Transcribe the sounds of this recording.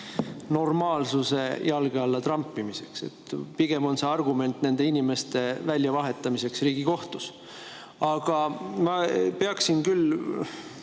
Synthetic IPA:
no̞rmɑːlsuse̞jɑlɡ̥eɑlːɑt̪rɑmpːˑimise̞kse̞̰t̪piɡ̥e̞mo̞nseɑrɡ̥ume̞nt̪ːˑne̞nd̪einime̞st̪e̞vælʲjɑvɑɦe̞t̪ːˑɑmise̞ksriːɡ̥iko̞ht̪us | ɑɡ̥ɑmɑpeɑksinkyl

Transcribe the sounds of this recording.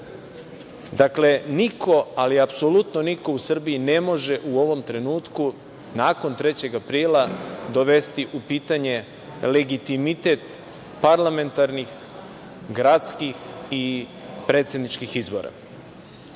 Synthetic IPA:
d̪akle̞nikʰo̞aliapso̞lut̪no̞niko̞usr̩biine̞mo̞ʒe̞ʔuo̞ʋo̞mt̪ɾe̞nuːt̪ku | naːko̞nt̪ɾe̞t͡ɕe̞ɡapɾiːlad̪o̞ʋe̞st̪iʔupiːt̪aɲe̞ | le̞ɡit̪imit̪e̞t̪ | paɾlˠame̞nt̪aɾnix | ɡɾat̪skixipɾe̞ːt̪se̞d̪nit͡ʃkixizbo̞̰ɾa̰

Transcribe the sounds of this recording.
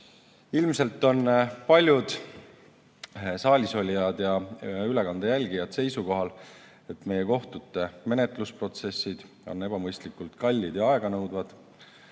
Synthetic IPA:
ilmse̞lt̪ːˑo̞nːpɑlʲjud̪̥ | sɑːlʲiso̞lʲijɑd̪̥jɑylekɑnd̪̥ejælʲɡijɑd̪̥se̞jsuko̞ɦɑl | e̞t̪me̞jeko̞ht̪ut̪ːˑe̞me̞ne̞t̪ˑluspro̞t̪se̞sːid̪̥ | o̞nːe̞b̥ɑmɤjst̪likult̪kɑlʲːid̪̥jɑɑeɡ̥ɑnɤwd̪vɑd̪̥

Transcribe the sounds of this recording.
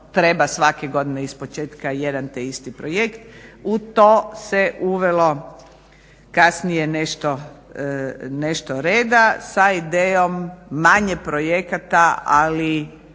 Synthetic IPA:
t̪ɾebasʋakeɡo̞d̪ineispo̞t͡ʃeːt̪kajed̪ant̪eist̪ipɾojekt̪ut̪oːseʔuʋelo̞ | kasnijeneʃt̪o | neʃt̪oɾeːd̪asaid̪eːjomːaɲepɾojekat̪aali

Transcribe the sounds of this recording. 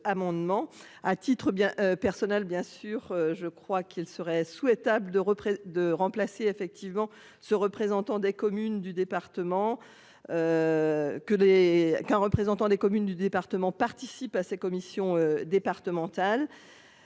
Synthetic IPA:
amɑ̃d̪mɑ̃at̪it̪χəbjɛ̃ʔpɛʁsɔnɛlbjɛ̃syʁøʒəkχwakʰilsəʁɛswɛt̪abld̪əʁəpχed̪əʁɑ̃plaseːfɛk̚t̪ʰivmɑ̃ | səʁəpχezɑ̃t̪ɑ̃d̪ekɔmynd̪yd̪epaʁt̪əmɑ̃ | ø | kəlekɛ̃ʁəpχezɑ̃t̪ɑ̃d̪ekɔmynd̪yd̪epaʁt̪əmɑ̃paʁt̪isipasɛkɔmisjɔ̃ød̪epaʁt̪əmɑ̃t̪al

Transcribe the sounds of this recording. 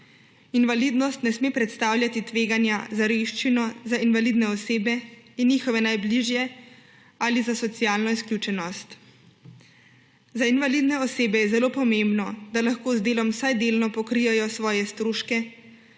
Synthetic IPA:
inʋaliːd̪nɔst̪nɛsmepɾɛt̪st̪aːwljat̪it̪ʋeːɡanjazaɾeʃt͡ʃinɔzainʋalid̪nɛɔseːbɛinːixɔʋɛnajbliʒjɛ | alizasɔt̪sijaːlnɔisklʲjut͡ʃɛnɔst̪ | zainʋalid̪nɛɔseːbɛjɛzɛloːpɔmembnɔd̪alaxkoːzd̪eːlɔmsajd̪eːlnɔpɔkɾijɛjɔsʋɔːjɛst̪ɾuːʃkɛ

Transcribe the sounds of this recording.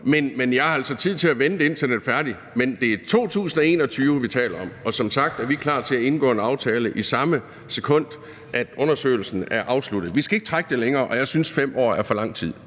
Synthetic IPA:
menmenjɑælsɒ̽t͡sʰið̞̰ˠt͡sʰe̝læʋenəd̥e̝e̝nt͡sʰɐned̥fæɐd̥i | mend̥e̝æɐt͡sʰo̝̰ːt͡sʰṵːsn̩ɒ̽e̝̰ːnɒ̽t͡sʰyːʋəʋit͡sʰɛ̰ːlɐɒ̽m̰ɒ̽sɒ̽msɑ̈ɡ̥̚d̥æɐʋikʰlɑ̰̈ːt͡sʰe̝læe̝nɡ̥ɔ̰ːenɑ̈ʊt͡sʰɛːləʔisɑ̈mə | sekʰɔ̽n̰d̥ | ʔæd̥ɔ̽nɐsø̰ːɪl̩sn̩æɐʔɑ̈ʊslud̥ð̩ˠʋisɡ̥æe̝ɡ̥ə̥t͡sʰʁaɡ̥əd̥e̝leŋɐːʔɒ̽jɑ̈ɪsynsfem̰ɒ̰ːæɐfɒ̽lɑ̈ŋ̰t͡sʰið̰ˠ

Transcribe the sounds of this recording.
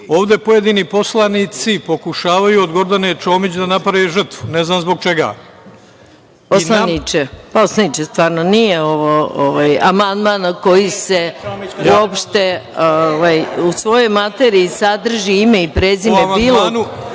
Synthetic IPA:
o̞ːʋd̪e̞pojed̪iːnipo̞slanit̪sipo̞kuʃaːʋajuod̪ɡo̞ɾd̪anet͡ʃo̞ːmit͡ɕd̪anapɾaʋeʒr̩t̪ʋuneznaːmzbo̞ɡ̚t͡ʃeɡa̰ | polˠanit͡ʃepaoslanit͡ʃest̪ʋaːɾnonijeo̞ʋooʋajamand̪maːnko̞jiseuopʃt̪e̞oʋajusʋo̞jo̞jmat̪eɾiːsad̪r̩ʒiime̞ipɾeːzimebiːlˠon

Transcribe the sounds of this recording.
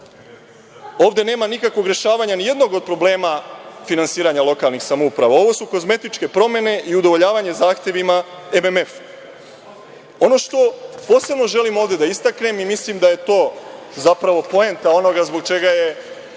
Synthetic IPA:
o̞ːʋd̪e̞ne̞ːmanikakʋo̞ɡɾje̞ʃaːʋaɲanije̞d̪no̞ɡo̞d̪̚pɾo̞ble̞ːmafinansiːɾaɲalo̞kalˠnixsamoupɾaʋao̞ʋo̞suko̞zme̞t̪it͡ʃke̞pɾo̞me̞ne̞ʔiud̪o̞ʋo̞ʎaːʋaɲe̞zaːxt̪je̞ʋima | e̞meme̞fu | o̞no̞ʃt̪o̞po̞ːse̞bno̞ʒe̞limo̞ːʋd̪e̞d̪aist̪akne̞mimislimd̪aje̞t̪o̞ː | zapɾaʋo̞po̞ent̪ao̞no̞ɡazbo̞ɡ̚t͡ʃe̞ɡaje̞

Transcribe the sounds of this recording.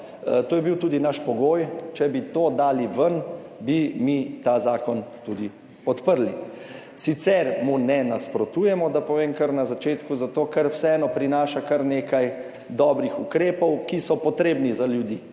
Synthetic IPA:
t̪oːjɛbiwt̪uːd̪inaʃpɔɡoːjt͡ʃɛbit̪oːd̪aːliʋənbimit̪azaːkɔnt̪ud̪i | pɔt̪pəɾli | sit̪sɛɾmunɛnaspɾɔt̪uːjɛmɔd̪apɔʋeːmkəɾnazat͡ʃeːt̪kuzat̪oːkɛɾwsɛɛːnɔpɾinaːʃakɐɾneːkaj | d̪ɔːbɾixukɾeːpɔwkisɔpɔt̪ɾeːbnizaljud̪iː

